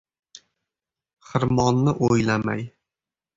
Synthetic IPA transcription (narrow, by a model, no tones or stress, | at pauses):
χɨɾmɒnːɪʔojlama̰j